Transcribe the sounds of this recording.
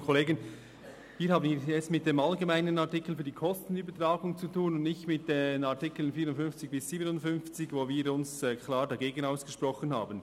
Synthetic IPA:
kʰɔleːɡən | viːhaːbəniːɛstmɪt̚d̥eːmalɡemæɪnənatɪkl̩fyːɐd̥iːkʰɔstn̩yːbətʁaːɡʊŋt͡sutʰuːnʊndnɪçtmɪt̚d̥enaɐtɪkl̩ənfiːɾʊntfʏnft͡sɪçb̥ɪsːiːbənʊntfʏnft͡sɪçvoːviːɾʊnsɛkʰlaːɾdɑɡeːɡənaʊsɡ̥əʃpʁɔχənhaːbən

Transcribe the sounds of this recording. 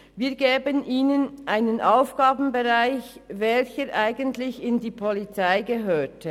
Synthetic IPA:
viːɐɡeːbənʔiːnənʔaɪnənʔaʊfɡ̥aːbn̩beʁaɪçvɛlçəɾʔaɪɡəntlɪçɪndiːpʰɔlit͡saɪɡəɦøːtʰə

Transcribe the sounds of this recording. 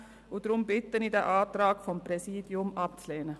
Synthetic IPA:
udɾʊmbɪtənidɛʔaːtraːkfɔmpɾɛsiːdjʊmʔɑp̚t͡slɛːnə

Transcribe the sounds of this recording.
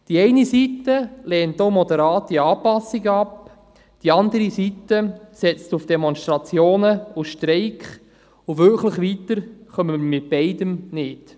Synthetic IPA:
d̥iɛɪnisitːəlɛːntːowmɔdəɾɑːtiɑːpɑsːiɡəɑp | d̥iɑnd̪əɾisitːəsɛt͡stufd̥emɔnʃtɾɑt͡sjoːnəuʃtɾɛɪkχ | uʋʏɾkləχʋit̪əɾχœməmɪt̚b̥ɛɪdəmnɪd

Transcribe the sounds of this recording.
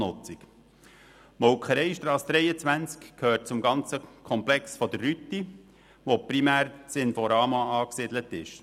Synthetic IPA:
nʊt͡sik | mɔwkχəɾɛɪʃtɾɑːsd̪ɾɛɪjət͡sʋænt͡skkʰhøːt̚t͡sʊmɡɑnt͡səkʰɔmplɛksfɔd̪ərːyt̪ːi | ʋopɾimæːɾsɪnfɔɾɑːmɑɑːksɪd̪lətɪʃ

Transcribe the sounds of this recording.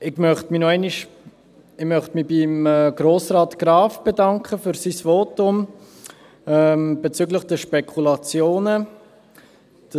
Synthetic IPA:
ɪɡ̥mœχtminɔɛɪniʃ | ɪmœχtmibimːɡ̥ɾoːsrɑːtɡ̥raːfb̥edɑŋkχəfyɾsisvoːtʊm | ɛmb̥et͡syːɡləχd̥ɛʃpɛkʰulɑt͡sjoːnə | d̥

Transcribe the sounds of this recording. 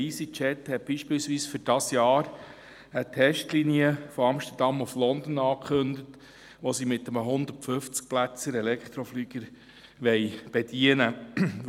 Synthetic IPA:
isit͡ʃɛt̪hɛt̚b̥iːʃpɪːlsʋiːsfʏɾd̥ɑsjɑːɾ | ət̪ʰɛʃtliniəfɔɑmʃt̪ədɑmuflɔnd̪ən̩ɑːkʰχɵndət̪ | ʋosimɪt̪ːəməɦʊnd̪əɾtfɵft͡sk̚plæt͡səɾɛlɛkχt̪ɾɔflyːɡ̥əɾ | ʋɛɪb̥ɛd̥̪iənə

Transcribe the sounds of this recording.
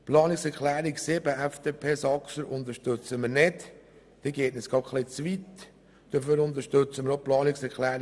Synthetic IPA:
plɑːniksɛɾklæːɾiksɪbəʔæfd̥̪eːpʰeːsɑksəɾʊnt̪əɾʃtøt͡səməɾnɪt | d̪̥eːɡeːtnəsɡɑχlɪt͡sʋit̪ | d̥əføɾʊnt̪əɾʃtøt͡səməɾoplɑːnɪksɛɾklæːɾ

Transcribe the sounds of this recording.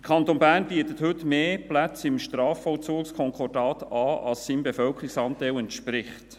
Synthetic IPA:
əkʰɑnt̪oːnbæːrnbiət̪əthɵtmeːplæt͡sɪmʃtɾɑːfɔlt͡suːkskʰɔŋkɔrdɑːt̪ɑːɑlssiːmbefœlkɾɪksɑnt̪ɛlɛntʃpɾɪχt

